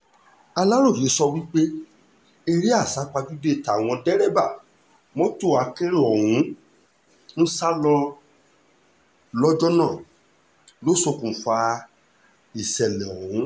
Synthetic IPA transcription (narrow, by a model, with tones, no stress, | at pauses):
a˧la˦ɾo˦˨ji˨˦sɔ˧wi˦k͡pe˦ | e˦˧ɾi˦a˦˨sa˨˦k͡pa˧d͡ʒu˦de˦˨ta˨w̃ɔ̃˧dɛ˦ɾɛ˦ba˦˨ | mɔ̃˦to˦˨a˨˧˦ke˦ɾɔ˨hũ˨˦ | n̩˦sa˦lɔ˧ | lɔ˦d͡ʒɔ˦nã˦˨ | lo˦so˧kũ˨˦fa˧ | i˨sɛ˨lɛ˨ɔ˨hũ˨˦